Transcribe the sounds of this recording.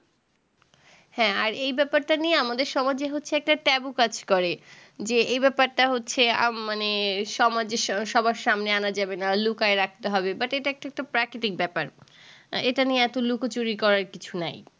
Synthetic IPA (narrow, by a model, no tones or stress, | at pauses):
hɛ̃aɾejbɛpaɾʈanieamad̪eɾʃɔmad͡ʑeɦotːɕʰeɛk̚ʈaʈɛbukad͡ʑkɔɾe | d͡ʑeejbɛpaɾʈaɦotːɕʰeamaneʃɔmad͡ʑeʃʃɔbaɾʃamneanad͡ʑabenalukaeɾak̚ʰt̪eɦɔbebaʈeʈaɛk̚ʈaɛk̚ʈapɾakɾit̪ik̚bɛpaɾ | eʈanijeɛt̪olukot͡ɕoɾikɔɾaɾkit͡ɕʰunaj